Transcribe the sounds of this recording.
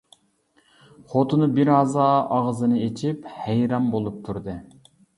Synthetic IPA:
χot̪ʰɨnɨbiɾɑzɑɑʁzɨnɨet͡ʃʰiphæjɾɑmbolˠup̚t̪ʰuɾd̪ɨ

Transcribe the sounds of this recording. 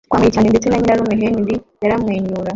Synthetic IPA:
kwait͡ʃaniditinaɲiɾaɾumɛɦenidijaɾamweɲuɾa

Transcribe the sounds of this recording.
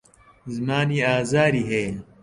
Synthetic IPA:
zmaːniːaːzaːɾiːɦeː

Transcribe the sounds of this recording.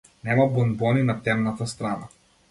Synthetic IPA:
nɛmabɔnbɔninat̪ɛmnat̪ast̪ɾana

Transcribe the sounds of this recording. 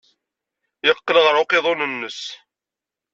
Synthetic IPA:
jəqːələʁɾˤʊqeðˤonənːəs

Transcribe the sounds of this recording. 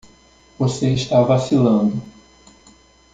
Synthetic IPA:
voseiʃt̪avasilɐ̃nd̪ʊ

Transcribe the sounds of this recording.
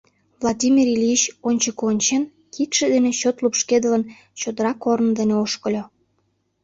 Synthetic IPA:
vlˠɑdʲimʲirilʲit͡ɕonʲt͡ɕəkonʲt͡ɕen | kit̪ʃed̪eneɕot̪lupʃked̪ələn | t͡ɕod̪əɾɑkornd̪eneoʃkəlʲo

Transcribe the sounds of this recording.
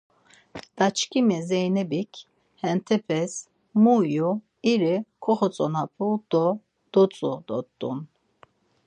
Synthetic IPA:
d̪̥at͡ʃkʼimɛzɛjnɛbikʰ | hɛnt̪ʰɛpʰɛs | muju | iɾikʰɔχɔt͡sʼɔnapʰʼud̪̥ɔ | d̪̥ɔt͡sʼud̪ɔt̪ʼːṵn

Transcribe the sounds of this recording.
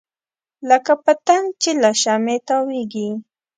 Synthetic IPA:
ləkapət̪ant͡ʃɪlaʃamet̪aweɡi

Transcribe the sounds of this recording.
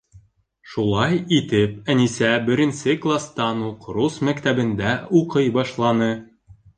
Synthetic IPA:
ʃulˠɑjit̪ɘpænisæbɘ̆ɾɘ̆nsɘklˠast̪ɑnulˠqɾusmækt̪æbɘ̆nd̪æuqɤjbɒʃlˠɑnɤ

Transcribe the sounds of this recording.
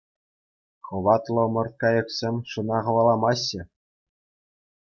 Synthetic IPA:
χɤ̆ʋɑt̪lˠɤ̆mɤ̆rt̪̚kɑjɤ̆ksʲemʲʂɤ̆nɑʁɤ̆ʋɑlˠɑmɑɕːɘ̆

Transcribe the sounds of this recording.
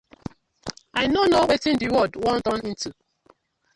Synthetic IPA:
aɪjnonowetĩndiwɔdwɔ̃ndɔ̃nĩntu

